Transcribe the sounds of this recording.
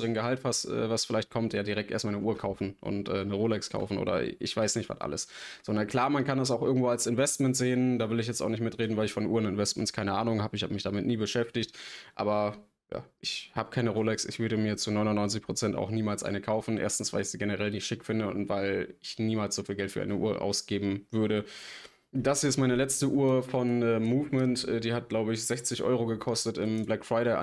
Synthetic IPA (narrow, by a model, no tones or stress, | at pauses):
ʁənɡəhaltv̥astʔɛ̰ːvasfɪlaɪçt̚kʰɔmtjaːdiʁɛktʔḛːɐstmaːlnəʔuːɐkʰaʊfn̩ʔʊ̰ntʔɛːnəʁoːlɛkskʰa̰ʊfn̩ʔo̰ːdɐ̰ʔɪ̰çv̥aɪsnɪçtv̥a̰tʔa̰ləsz̥ɔndɐnkʰl̥aːɐmankʰandas̬aʊxʔɪɐɡŋ̩tv̥oːalsɪnvɛstmɛntz̥eːəndaːvɪlɪçjɛt͡staʊnɪç̬tmɪtʁeːdn̩vaɪlɪçfɔnʔuːɐnɪnvɛstmɛntskʰaɪnəʔaːnʊŋhaːbəɪçhaːbəmɪçd̥amɪtniːbəʃɛftɪçtʔa̰ːbɐ | ja̰ːʔɪçhaːbəkʰaɪnəʁoːlɛksɪ̰çv̥ʏɐɾəmiːɐt͡sunɔʏnʊnɔʏnt͡sɪçpʁ̥ot͡sɛnta̰ʊxniːmaːlsʔa̰ɪnəkʰaʊfn̩ʔḛːɐstn̩sv̥aɪlɪçz̥iːɡenəʁɛlnɪçtʃɪkfɪndəʊ̰ntv̥aɪlɪçniːmaːlsz̥ofiːlɡɛltfyːɐʔa̰ɪnəʔuːɐʔa̰ʊsɡ̥eːbm̩vʏɐɾə | d̥asɛstmaɪnəlɛt͡stəʔuːɐfɔnɛːmuːvmɛntʔɛːdiːhat̚ɡ̥laʊbəɪçz̥ɛçt͡sɪçʔɔ̰ʏʁoɡəkʰɔstətɪmblɛkfʁ̥aɪɾeɪʔa̰